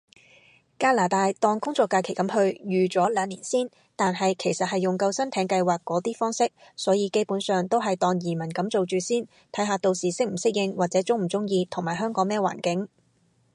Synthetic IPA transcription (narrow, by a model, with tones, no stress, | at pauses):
kaː˧laː˨˩t̪aː˨˧jt̪ɔː˧ŋkʊ˥ŋt͡sɔː˧˥kːaː˧kʰe˨˩jkɐ˨˥mɦɵ˧ɥjyː˨t͡ʃɔː˨˥lœː˨˧ŋliː˨˩nsiː˥n | t̪aː˨nɦɐ˨jkʰe˨˩jsɐ˨t̚ɦɐ˨jːʊ˨ŋkɐ˧wsɐ˥nt̪ʰɛː˨˧ŋkɐ˧jwaː˨˩kːɔː˨˥t̪iː˥fɔː˥ŋsɪ˥k̚sɔː˨˥jiː˨˧ke˥jpuː˨˥nsœː˨ŋt̪o˥wɦɐ˨jt̪ɔː˧ŋjiː˨˩mɐ˨˩nkɐ˨˧˥mt͡so˨wt͡ʃyː˨˧siː˥n | t̪ʰɐ˨˥jɦaː˨˧t̪o˨˧wsiː˨sɪ˥k̚m̩˨˩sɪ˥k̚jɪ˧ŋwaː˨k̚t͡sɛː˨˥t͡sʊ˥ŋm̩˨˩t͡sʊ˥ŋjiː˧t̪ʰʊ˨˩ŋmaː˨˩jɦœː˥ŋkɔː˨˥ŋmɛː˥wa̰ː˨˩nkɪ˨˥ŋ